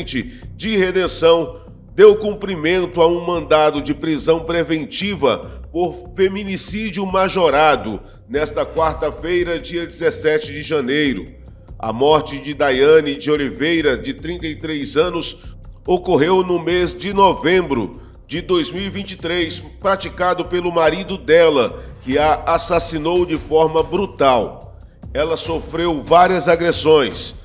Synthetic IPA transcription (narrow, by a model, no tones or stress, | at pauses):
nt͡ʃɪd͡ʒɪhed̪ẽsɐ̃w̃ | d̪ewkũmpɾimẽnt̪ʊaũmɐ̃nd̪ad̪ʊd͡ʒɪpɾizɐ̃w̃pɾevẽnt͡ʃivɐ̰poɾfeminisid͡ʒʊmaʒoɾad̪ʊ | nɛst̪ɐkwaɾt̪ɐfejɾɐd͡ʒiɐd͡ʒɪzesɛt͡ʃɪd͡ʒɪʒɐ̃nejɾʊ̰ | ɐ̰mɔɾt͡ʃɪd͡ʒɪd̪ajɐ̃nɪd͡ʒɪolivejɾɐd͡ʒɪt̪ɾĩnt̪ɐjt̪ɾejzɐ̃nʊsokoɦewnʊmezd͡ʒɪnovẽmbɾʊ̰ | d͡ʒɪd̪ojzmiwivĩnt͡ʃi̥t̪ɾejspɾat͡ʃikad̪ʊpelʊmaɾid̪ʊd̪ɛlɐkɪɐasasinowd͡ʒɪfɔɾmɐbɾut̪aw | ɛlɐsofɾewvaɾiɐzaɡɾesõj̃s